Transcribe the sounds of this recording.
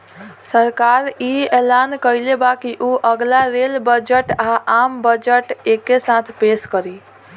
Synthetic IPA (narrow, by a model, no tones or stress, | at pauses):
səɾkaɾielankəjlebakiʔuʔəɡlaɾelbəd͡ʒəʈaʔambəd͡ʒəʈekːesat̪ʰpeskəɾi